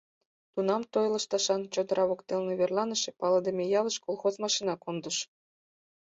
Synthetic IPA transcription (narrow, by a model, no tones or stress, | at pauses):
t̪unɑmt̪ojlˠə̆ʃt̪ɑʃɑnt͡ɕod̪ə̆ɾʔɑβokt̪elneβerlˠɑnə̆ʃĕpɑlˠɤd̪emʲejɑlə̆ʃkolˠxozmɑʃinɑkond̪ə̆ʃ